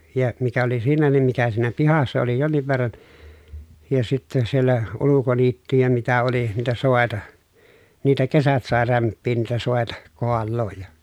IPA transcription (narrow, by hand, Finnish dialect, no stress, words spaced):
jɑ mikæ oli siːnæ nim mikæ siːnæ pihɑsːɑ oli jonːiʋ ʋerːɑn jɑ sitːe sielːæ ulukoniːtːyjæ mitæ oli niːtæ soˑetɑ niːtæ kesæt sɑˑe ræmpːiːn niːtæ soˑetɑ koɑlːoːj jɑ